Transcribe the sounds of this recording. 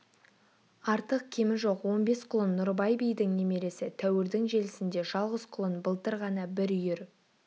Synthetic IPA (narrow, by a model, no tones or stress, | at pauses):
ɑɾt̪əq̚kʲʰe̞mɪnʒo̞qwo̞nbe̞sqʰʊlˠənːʊɾbɑjbijd̪ɪŋne̞me̞ɾe̞sɪt̪ʰæwɪɾd̪ɪŋʒe̞lɪsɪnd̪e̞ʒɑlˠʁəz̥qʰʊlˠənbəlˠt̪əɾʁɑnɑbɪɾʏjɪɾ